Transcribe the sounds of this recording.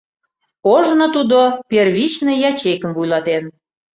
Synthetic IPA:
oʒnot̪ud̪operβit͡ɕnĕjɑt͡ɕekəmvujlɑt̪en

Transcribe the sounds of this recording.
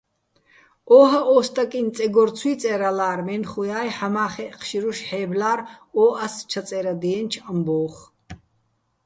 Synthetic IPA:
ɔːɦaʔɔːst̪ʼakʼint͡sʼɛɡɔɾt͡sʰwiːt͡sʼɛɾalaːɾmɛnχujaːjħamaːχɛqʰʃiɾuʃħɛːblaːɾɔːʔast͡ʃʰat͡sʼɛɾad̪ɛɛnt͡ʃʰambɔːχ

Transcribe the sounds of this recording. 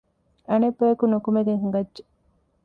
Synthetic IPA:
ɐnebːɐjɐkunukumed̪eɦuŋɡɐdʒe

